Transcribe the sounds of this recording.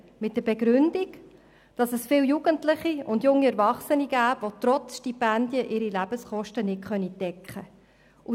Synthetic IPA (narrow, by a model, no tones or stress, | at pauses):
mɪt̚d̥əɾbɛɡɾʏnd̥ik | d̥ɑsəsfɪːljuɡ̥əntlɪχiʊndjʊŋːiɛɾvɑχsəniɡæːpvot̪ɾɔt͡sʃtipændjəʔɪɾilæb̥əsχɔʃtənɪtχœnitɛkχə | ʔu